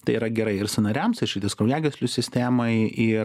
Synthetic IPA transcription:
t̪ɐɪiːɾɐɡʲɛɾɐɪɪɾsʊnɐɾʲɛmsɪʃʲiːt̪ʲɐskɾɐʊjæːɡʲɛsʲlʲʊsʲɪsʲt̪ʲæːmɐɪʔɪ

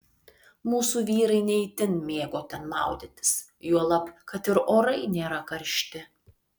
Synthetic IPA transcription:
muːsuːʋʲiːɾɐɪnʲɛɪt̪ʲɪnmʲeːɡoːt̪ʲɛnmɑ̰ˑʊd̪ʲɪt̪ʲɪ̥s | juɔlˠɐpkɐt̪ɪɾoːɾɐɪnʲeːɾɐkɐɾʲʃʲt̪ʲɪ

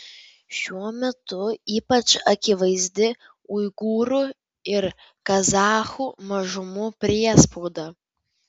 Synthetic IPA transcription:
ʃʲuɔmʲɛt̪ʊiːpɐt͡ʃɐkʲɪʋɐɪzʲd̪ʲɪ | ʊɪɡuːɾu | ɪɾ | kɐzɑːxuːmɐʒʊmʊpʲɾʲiɛspoːd̪ɐː

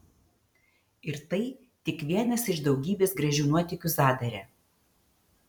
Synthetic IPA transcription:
ɪɾt̪ɐɪ | t̪ʲɪkʋʲiɛnɐsɪʃd̪ɒʊɡʲiːbʲeːsɡɾɐʒʲuʊnuɔt̪ʲɪkʲʊsɑːd̪ɐɾʲɛ

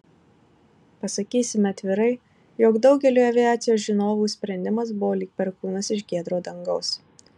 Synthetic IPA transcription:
pɐsɐkʲiːsʲɪmʲɛɐt̪ʲʋʲɪɾɐɪ | joːɡd̪ɒʊɡʲɛlʲuːɐʋʲɪjæːt̪sʲɪjoːsʒʲɪnoːʋuːsʲpʲɾʲɛnʲd̪ʲɪmɐs̬bʊʋoːlʲiːk̚pʲɛɾkuːnɐsɪʃɡʲiɛd̪ɾoːd̪ɐŋɡɒʊs

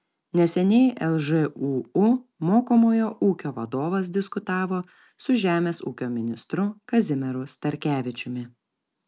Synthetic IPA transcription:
nʲɛsʲɛnʲɛɪʔɛlˠʒɛuːumoːkomoːjoːʔuːkʲoːʋɐd̪oːʋɐs̬d̪ʲɪskʊt̪ɑːʋoː | sʊʒʲæːmʲeːsuːkʲoːmʲɪnʲɪst̪ɾʊkɐzʲɪmʲɛɾʊst̪ɐɾʲkʲæːʋʲɪt͡ʃʲʊmʲɪ

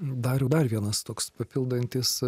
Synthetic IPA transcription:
d̪ɐɾjɛd̪ɐrʋʲiɛnɐst̪oːkspɐpʲɪlˠd̪ɐnʲt̪ʲɪs

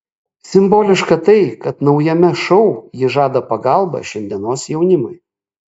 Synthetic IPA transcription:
sʲɪmboːlʲɪʃkɐt̪ɐɪkɐt̪nɒʊjɛmʲɛʃɔʊjɪʒɑːd̪ɐpɐɡɐlˠbɐ̰ʃʲɛnʲd̪ʲiɛnoːsjɛʊnʲɪmʊ̰ɪ

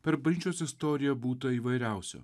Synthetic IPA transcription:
pʲɛɾbɐlʲit͡ʃʲoːsʲɪst̪ɔɾʲɪjɛbuːt̪ɐiːʋɐɪɾʲæˑʊsʲo̰ː

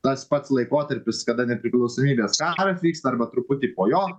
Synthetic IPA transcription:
t̪ɐspɐt̪slˠɐɪkoːt̪ɐɾʲpʲɪskɐd̪ɐnʲɛpʲɾʲɪklˠɒʊsoːmʲiːbʲeːskɑːɾɐt̪ʲʋʲiːkst̪ɐɾbɐt̪ɾʊpʊt̪ʲiːpoːjoː

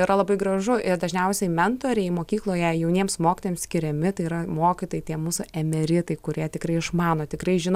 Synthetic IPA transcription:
ɪɾɐlˠɐbɐɪɡrɐʒʊʔɪrd̪ɐʒʲnʲɛʊsʲɛɪmʲɛnt̪oːɾʲɛɪmoːkʲiːklˠoːjɛjɛʊnʲiɛmsmoːkʲɪt̪oːjɛmsʲkʲɪɾʲɛmʲɪt̪ɐɪiːɾɐmoːkʲɪt̪oːjɪt̪ʲiɛmuːsʊɛmʲɛɾʲɪt̪ɐɪkʊɾʲiɛt̪ʲɪkrɐɪɪʃmɑːnoːt̪ʲɪkɾɐɪʒʲɪn

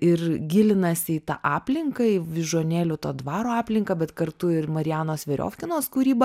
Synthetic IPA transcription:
ɪrɡʲɪlʲɪnɐsʲɪɪt̪ɑ̰ːʔɑːpʲlʲɪŋkɐʋʲɪʒoːnʲeːlʲʊt̪oːd̪ʋɑːɾoːɑːpʲlʲɪŋkɐbʲɛt̪kɐɾt̪ʊɪrmɐɾʲɪjæːnoːsʋʲɛɾʲo̰ːfʲkʲɪnoːskʊɾʲiːbɐ

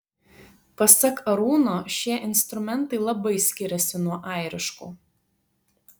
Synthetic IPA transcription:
pɐsʲɐkɐɾuːnoːʃʲiɛʔɪnst̪ɾʊmʲɛnt̪ɐɪlˠɐbɐɪsʲkʲɪɾʲɛsʲɪnuɔʔɑˑɪɾʲɪʃkṵː

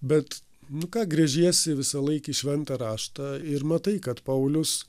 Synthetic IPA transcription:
bʲɛt̪ | nʊkɑːɡɾʲɛʒʲiɛsʲɪʋʲɪsɐlˠɐɪkiʃʲʋʲɛnt̪ɐɾɑːʃt̪ɑɪɾmɐt̪ɐɪkɐt̪pɐʊlʲʊs

